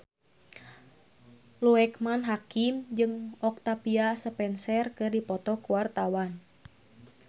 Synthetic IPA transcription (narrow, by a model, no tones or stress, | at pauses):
luɛkmanɦakimd͡ʒɨŋɔk̚t̪apiasəpɛnsɛrkɨrdipɔt̪ɔkuwart̪awan